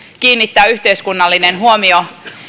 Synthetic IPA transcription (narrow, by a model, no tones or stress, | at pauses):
kiːnːit̪ːæːyht̪eiskunːɑlːinenɦuomio